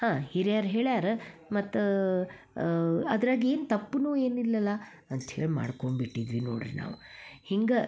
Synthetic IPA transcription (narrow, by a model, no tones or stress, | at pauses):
hãːheɾjaːɾɦe̞ːɭjaːɾɐmɐt̪ːu | ɐd̪ɾaːɡie̞ːnt̪ɐpːnuːe̞ːnilːɐlːɐ | ɐnt̪heːɭma̰ːɽkoɳbiʈːid̪ʋinoːɽiɾina̰ːʋuhiŋɡɐ